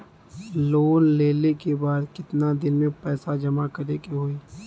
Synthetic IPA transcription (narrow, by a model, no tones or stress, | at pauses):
loːnleːlekebaːd̪kɪt̪nad̪ɪnmẽpɛːsad͡ʒɐmakɐɾeːkeɦoːiː